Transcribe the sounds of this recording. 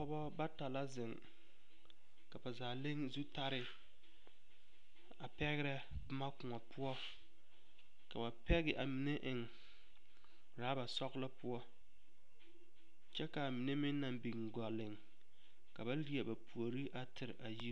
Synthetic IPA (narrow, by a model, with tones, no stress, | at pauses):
ɔ˦bɔ˦ba˦ta˨la˦zɪ˨ŋ | ka˨ba˨zaː˨le˦ŋzu˦ta˦ɾɪ˦ | a˨pɛ˦ɣɪ˦ɾɛ˦ | bma˦kʊ˨ŋɔ˨pʰʊ˦ɔ˦ | ka˨ba˨pɛ˦ɣɪ˨ʔa˨mi˨ne˦ʔɪ˨ŋ | ɾaː˨˦ba˨sɔ˦ɣla˦pʊ˦ɔ˦ | t͡ʃɛ˦ka˨mi˨ne˦mɪ˦nː˦a˨mbi˨ŋ˨ɡɔ˨lɪ˨ŋ | ka˨ba˦li˦e˨ba˨pʰu˨o˨ɾi˦ʔa˨tʰɪ˨ɾɪ˨ʔa˨ji˦